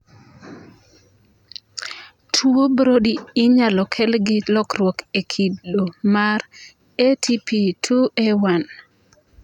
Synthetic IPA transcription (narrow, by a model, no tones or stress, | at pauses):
tʰwobɾodiɪɲalɔkʰɛlɡɪlɔkrwɔkekʰidːomar | etʰipʰitʰuewan